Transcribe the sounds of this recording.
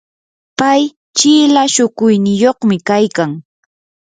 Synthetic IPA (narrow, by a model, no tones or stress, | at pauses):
paj | t͡ʃiːlaʃʊkʊjnɪjoχmɪkajkaŋ